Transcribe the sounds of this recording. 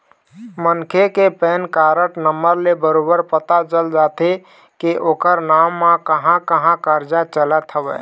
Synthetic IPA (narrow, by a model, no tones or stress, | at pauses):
mənkʰekepɛːnkaɾəʈnəmːəɾlebəɾobəɾpət̪at͡ʃəld͡ʒat̪e | keʔoːkəɾnamːãkəɦãkəɦãkəɾd͡ʒat͡ʃələt̪ʰɦəʋɛ̰